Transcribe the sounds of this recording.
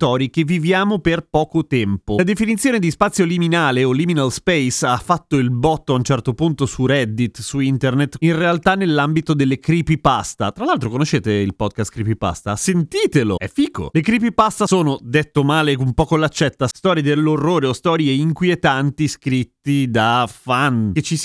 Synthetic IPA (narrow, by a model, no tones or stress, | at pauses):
t̪ɔːɾjik̟evːivjaːmoperpɔːkot̪ɛmpolad̪efinit̪sjoːned̪ispat̪sːjoliminaːleoliminalspɛjsafːat̪ːoilbɔt̪ːoaunt͡ʃɛrt̪opunt̪osurɛd̪ːit̪ːsuint̪ernet̪ːinrealt̪anːelːambit̪od̪elːekɾipipast̪a̰t̪ɾalalt̪ɾokonoʃeːt̪eilpɔd̪̚kast̪kɾipipa̰st̪asent̪iːt̪elo̰ɛfiːko̰lekɾipipast̪asoːnod̪et̪ːomaːleumpɔːkolat͡ʃːɛt̪ːast̪ɔːɾjed̪elːorːoːɾeost̪ɔːɾjeiŋkwiet̪ant̪iskɾit̪ːid̪afanket͡ʃis